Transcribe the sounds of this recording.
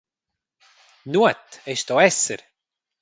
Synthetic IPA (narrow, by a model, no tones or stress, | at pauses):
nuət̪ɛʃt̪ɔɛsə̰ɾ